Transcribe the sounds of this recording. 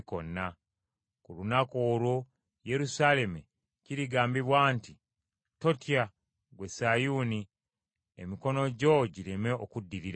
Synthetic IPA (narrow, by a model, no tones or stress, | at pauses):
konːa | kulunako̞ːlwo | je̞ɾusale̞mu | ciɾiɡaːmbiβwaːnti | to̞tija | ɡwe̞sajuːni | ḛmiko̞no̞ɟo̞ɟiɾeme̞okudːiɾiɾ